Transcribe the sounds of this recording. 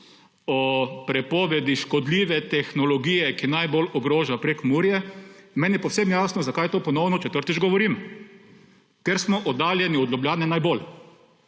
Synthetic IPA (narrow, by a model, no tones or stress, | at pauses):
ɔpɾɛpɔːʋɛd̪iʃkɔd̪liːʋɛt̪ɛxnɔlɔɡiːjɛkinajbolɔɡɾoːʒapɾekmuɾjɛmɛːnjɛpɔwsemjaːsnɔzakajɛt̪oːpɔnɔwnɔt͡ʃɛt̪əɾt̪id͡ʒɡɔʋɔɾiːm | kɛɾsmɔʔɔd̪aːljɛniɔd̪lɔbljaːnɛnajbol